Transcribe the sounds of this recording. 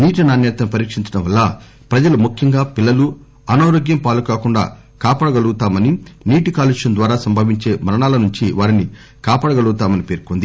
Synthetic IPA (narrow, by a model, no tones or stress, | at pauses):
niːʈ̬inaːnɛːt̪ɐnupɐɾiːkʂiɲt͡ʃɐɽɐmʋɐlːɐ | pɾɐd͡ʒɐlumukʰjɐŋɡaːpilːɐlu | ɐnaːɾoːɡjɐmpaːlukaːkuɳɖa̰ː | kaːpaːɽɐɡɐluɡut̪aːmɐniniːʈikaːliʂɐnd̪ʋaːɾaːsɐmbʱɐːʋiɲt͡ʃeːmɐɾɐɳaːlɐnuɲt͡ʃiʋaːɾini | kaːpaːɽɐɡɐɭuɡut̪aːmɐnipe̞ːɾkond̪i